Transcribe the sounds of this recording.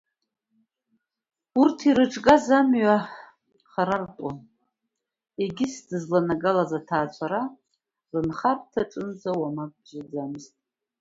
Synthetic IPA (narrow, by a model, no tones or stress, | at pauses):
urtʰiɾɨʈ͡ʂʼɡazamɥa | χaɾartʼan | eɡʲɪsdɨzlanaɡalazatʰaːt͡ʃʷʰaɾa | rɨnχartʰaʈ͡ʂʼɨnzawamak̚ʼd͡ʒʷad͡zamɨztʼ